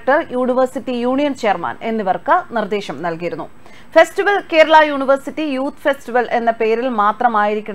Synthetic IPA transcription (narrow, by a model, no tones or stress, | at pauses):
ʈːɐrjuːɳiʋɐrsitːijuːɳijɐnt͡ɕeːrma̰ːne̞nːiʋɐrkɨnird̪eːɕɐmnɐlkijiɾunːu | festiʋɐlke̞ːɾɐɭɐjuːɳiʋɐrsitːijuːt̪fe̞stiʋɐlʔe̞nːɐpe̞ːɾilmaːt̪rɐmaːjiɾikʲːuɳ